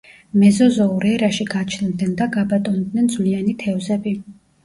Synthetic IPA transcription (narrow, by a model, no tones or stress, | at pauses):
mɛzɔzɔuɾɛɾaʃiɡat͡ʃʰnd̪nɛnd̪aɡabat̪ʼɔnd̪nɛnd̪zvlianit̪ʰɛvzɛbi